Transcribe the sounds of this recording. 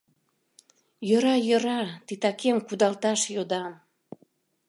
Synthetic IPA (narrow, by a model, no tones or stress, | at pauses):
jəɾɑjə̆ɾɑt̪it̪ɑkʰemkud̪ɑlt̪ɑʃjod̪ɑm